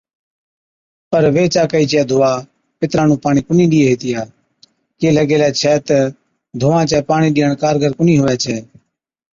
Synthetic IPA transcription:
pəɾʋeːt͡ʃaːkəiːt͡ʃɛːd̪ʱʊːaː | pɪt̪ɾãːnũːpaːɳ̃iːkʊniːɗiːeːɦeːt̪ɪjaː | keːləɡeːlɛːt͡ʃʰɛːt̪ə | d̪ʱʊːãːt͡ʃɛːpaːɳiːɗɪːəɳkaːɾɡʱəɾkʊniːɦʊʋɛːt͡ʃʰɛː

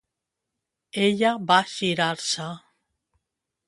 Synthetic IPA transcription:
eʎaβaʃiɾaɾsa

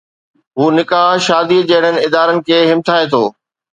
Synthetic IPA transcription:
ɦuːnɪkaːɦʃaːd̪id͡ʑeɦɪɽ̤ənɪ̆ɪd̪aːɾənɪ̆kʰeːɦɪmt̪ʰaːet̪ʰoː

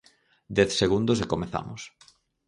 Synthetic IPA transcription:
d̪ɛθseɣund̪osekomeθa̰mʊs

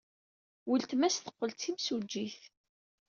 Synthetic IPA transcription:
wəlt̪mæsθə̥qːəlt̪imsud͡ʒːiθ

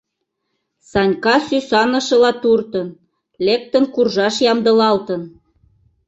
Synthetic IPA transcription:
sɑnʲkɑsysɑnə̆ʃə̆lɑt̪urt̪ən | lek̚t̪ənkurʒɑʃjɑmd̪ə̆lɑlt̪ən

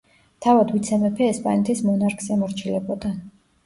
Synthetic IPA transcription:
t̪ʰavad̪vit̪sʰɛmɛpʰɛɛspʼa̰nɛt̪ʰismɔnaɾkʰsɛmɔɾt͡ʃʰilɛbɔd̪an

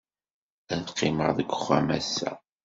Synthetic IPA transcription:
ænqːɪməɾˤðəɡʷə̥χæ̰mæ̰sːæ̰

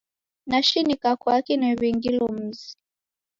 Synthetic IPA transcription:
naʃinikakwakinɛβiŋɡilɔm̩zi̥

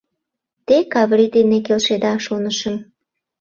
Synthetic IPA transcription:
t̪ekɑβɾid̪enek̬elʃed̪ɑʃonəʃəm

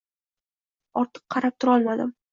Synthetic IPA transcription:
ɒɾt̪ʰɨ̥qːʰɑɾap̚t̪ʰʊɾɒlˠmad̪ɪ̰m

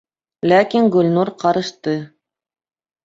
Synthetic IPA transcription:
lækiŋɡɵ̆lʲnuɾqɑɾɤ̆ʃt̪ɤ

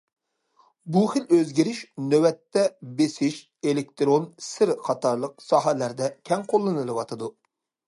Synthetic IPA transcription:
buχɪløzɡʲiɾɪʃnøwɛt̪ːɛbesɪʃ | elek̚t̪ɾonsɪɾqʰɑt̪ʰɑɾlˠəq̚sɑɦɛlæɾd̪ɛkʲʰɛŋqʰolˠːɨnɨlˠɨwɑt̪ʰɨd̪u

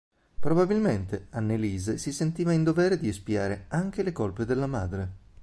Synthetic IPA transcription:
pɾobabilment̪eanːeliːzesisent̪iːvaind̪ovɛːɾed̪iespia̰ːɾeaŋk̟elekolped̪elːamaːd̪ɾe

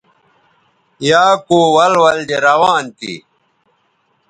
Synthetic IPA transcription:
jaːkoːwɐlwɐld̪eɾɐwaːnt̪ḭ

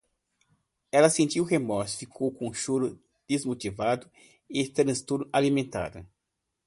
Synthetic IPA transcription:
ɛlɐsẽnt͡ʃ̪iwhemɔɾsfikʰowkõũʃoɾʊ | d̪̥ezmot̪ivad̪ʊ | ɪt̪ɾɐ̃st̪uɾʔalimẽnt̪a̰d̪ɐ̰

